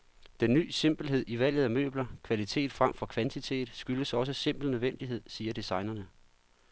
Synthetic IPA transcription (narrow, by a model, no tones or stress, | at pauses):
d̥enːy̰ːse̝m̰b̥l̩ɦe̝ð̞̰ˠiʋæl̰jð̞̩ˠæmø̰ːb̥lɐkʰʋælit͡sʰe̝̰ːd̥fʁam̰fɒ̽kʰʋænt͡sʰit͡sʰe̝̰ːd̥ˠsɡ̥yləsɒ̽s̬əse̝m̰b̥l̩nøð̞ˠʋen̰d̥iɦe̝ð̞̰ˠsiːɐd̥isɑ̈ɪnɐnə